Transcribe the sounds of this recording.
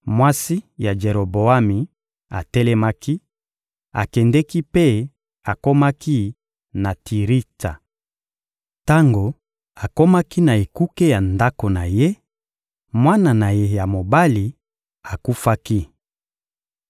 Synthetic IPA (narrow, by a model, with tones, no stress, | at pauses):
mwa˦si˦ja˨d͡ʒe˨ɾo˨bo˨a˦mi˨ | a̰˨tɛ˦lɛ˦ma˦ki˦ | a̰˨kɛ˨ndɛ˦ki˦pe˦ | a˨ko˦ma˦ki˦ | na˨tʰi˨ʁi˦ta̰˨ | ta˦ŋɡo˨ | a˨ko˦ma˦ki˦na˨e˨ku˦ke˦ja˨nda˦ko˨na˨je˦ | mwa˦na˨na˨je˦ja˨mo˨ba˦li˨ | a˨ku˦fa˦ki˦